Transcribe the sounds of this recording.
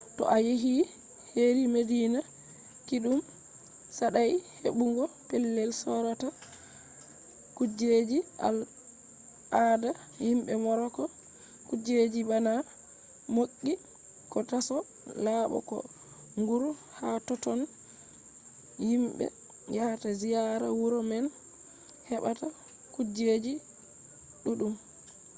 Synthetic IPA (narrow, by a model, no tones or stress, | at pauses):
tɔ̰ʔajeɦi | heɾimedina | kiɗum | saɗajhḛɓuŋɡɔpɛlːɛlsɔɾata | kud͡ʒed͡ʒia̰l | ada | himbɛmɔɾɔkɔ | kud͡ʒed͡ʒibana | mokʲːi | kɔtasɔ | laːɓɔ̰kɔ̰ | ŋɡuɾ | hatɔtɔn | himɓɛ̰ | jatazijaɾa̰wuɾɔmɛn | hɛɓata | kud͡ʒed͡ʒi | ɗuɗum